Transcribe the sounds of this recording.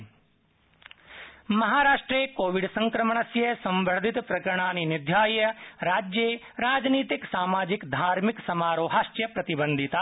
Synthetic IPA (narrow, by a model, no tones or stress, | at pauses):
mɐɦaːɾaːʂʈɾeːkoːʋiɖsɐ̃ŋkɾɐməɳ̃ɐsjɐsɐ̃mbʱəɽd̪ʱit̪pɾɐkəɾəɳ̃aːninɪd̪ʱjaːjɐɾaːd͡ʒjeː | ɾaːd͡ʒniːt̪iksaːmaːd͡ʒikd̪ʱaːɾmiksɐmaːɾoːɦaːʃʈjɐpɾɐt̪ibə̃nd̪ʱit̪aː